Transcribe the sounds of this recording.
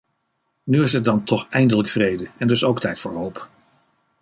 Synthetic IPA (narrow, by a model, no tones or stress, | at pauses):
nyɪsɦət̚dɑntʰɔχɛjndələkfrejdəɛndɵsowktɛjtfʊːɹɦowp